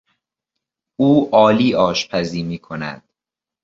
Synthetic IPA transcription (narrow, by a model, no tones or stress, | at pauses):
uːʔɒːliːɒːʃpʰæziːmiːkʰonæ̰d̪̥̚